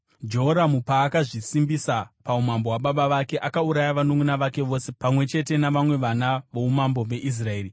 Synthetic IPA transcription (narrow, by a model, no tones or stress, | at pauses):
d͡ʒe̞ɦoɾamupaːkaʐisimbisapaumambo̞waɓaɓaʋake̞ʔakauɾajaʋanoŋunaʋake̞ʋo̞ːse̞pamwe̞t͡ʃe̞te̞naʋamwe̞ʋanaʋo̞umambo̞ʋe̞ʔis̬rae̞ːri